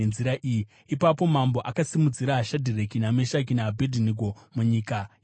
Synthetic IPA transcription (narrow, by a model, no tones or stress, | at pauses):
enziɾaʔiji | ipapo̞mamboʔakasimud͡ziɾaɦaʃadʱirekinameʃak̬inaɦːbʱedʱiniɡʱomuɲika